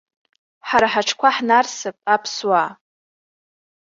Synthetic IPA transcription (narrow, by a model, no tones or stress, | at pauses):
ħaɾaħaʈ͡ʂʰkʷʰaħnarsɨpʼapʰswa